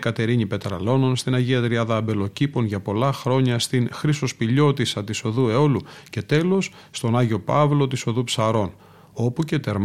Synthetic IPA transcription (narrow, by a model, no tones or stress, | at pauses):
kɐt̪e̞ɾiɲipe̞t̪ɾɐ̰lo̞no̞nst̪inɐʝiɐt̪ɾiɐðɐːbe̞lo̞cipo̞nʝɐpo̞lɐxɾo̞ɲɐst̪iŋxɾiso̞spiʎo̞t̪isɐt̪iso̞ðue̞o̞luce̞t̪e̞lo̞sːt̪o̞nɐʝio̞pɐvlo̞t̪iso̞ðupsɐɾo̞n | o̞puce̞t̪e̞ɾm